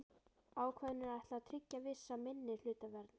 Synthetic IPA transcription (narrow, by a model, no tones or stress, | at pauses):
aːwkʰvɛðnʏɾajht̪lat̪ʰɾʏcːavɪsːamɪnːɪ̥l̥ʏːt̪avɛɾt̪n